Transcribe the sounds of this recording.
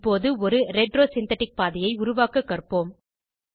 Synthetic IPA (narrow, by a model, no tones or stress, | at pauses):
poːðɯɔɾɯɾɛɖɾoːsɪnt̪ɐʈːɪk̚paːðɪjɐɪʊɾʊʋaːkɐkːɐrpoːm